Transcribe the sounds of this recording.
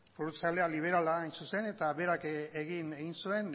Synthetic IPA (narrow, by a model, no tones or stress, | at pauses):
fuɾut͡sale̞aliβ̞e̞ɾalaːjnsuse̞ne̞t̪aβe̞ɾakeɣineɣinsue̞n